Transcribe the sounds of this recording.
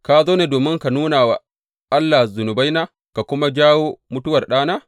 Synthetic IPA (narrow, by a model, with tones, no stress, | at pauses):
kaː˨zoː˦ne˨doː˨mɪ˦ŋka˨nuː˦naː˨waː˨ | ʔa˦lːa˨zʊ˨nʊ˨ba˦jnaː˦ | ka˨kʷʊ˦ma˦d͡ʒaː˦woː˦mʊ˦tʊ˦wɐ˨rɗaː˦naː˦